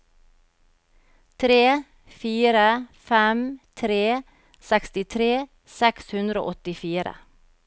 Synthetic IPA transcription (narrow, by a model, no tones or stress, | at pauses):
t̪ʰɾeː | fiːɾəfɛmt̪ʰɾeː | sɛkst̪ɪt̪ʰɾeː | sɛkshʉnd̪ɾo̰ːʔɔt̪ɪfiːɾə̰